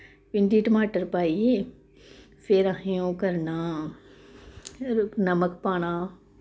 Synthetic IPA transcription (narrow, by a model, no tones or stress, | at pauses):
pɪ̃nɖiːʈmaːʈəɾpaːie | fʰeːɾaɦjõːkɐɾnaː | nɐməkpaːɽ̃aː